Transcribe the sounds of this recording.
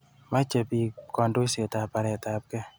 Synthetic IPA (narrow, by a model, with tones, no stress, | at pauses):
ma˦t͡ʃe˧pi˧kɔ˧ndo˦se˨ta˨pa˧ɾɛ˨ta˨p̚kɛ˦